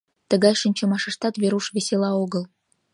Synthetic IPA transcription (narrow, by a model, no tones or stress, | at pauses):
t̪ə̆ɡɑjʃə̆nʲt͡ɕə̆mɑʃə̆ʃt̪ɑt̪βʲeɾuʃβʲesʲelɑoɣə̆lˠ